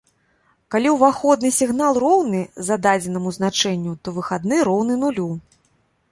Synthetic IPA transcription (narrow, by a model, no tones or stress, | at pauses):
kalʲiwvaxɔd̪nɨsʲiɣnalˠrɔwnɨzad̪ad͡zʲɛnɐmuznat͡ʂɛnʲːut̪ɔvɨxad̪nɨɾɔwnɨnulʲu